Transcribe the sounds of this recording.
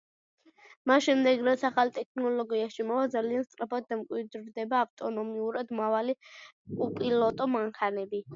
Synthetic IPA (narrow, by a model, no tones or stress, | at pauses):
masʃɛmd̪ɛɡɾat̪sʰaχalt̪ʼɛkʰnɔlɔɡiaʃimɔvad̪zalianst̪sʼɾapad̪̚ːamkʼwid̪ɾd̪ɛbaːft̪ʼɔnɔmiuɾad̪mɾavaliupʼilɔt̪ʼɔmaŋkʰanɛbi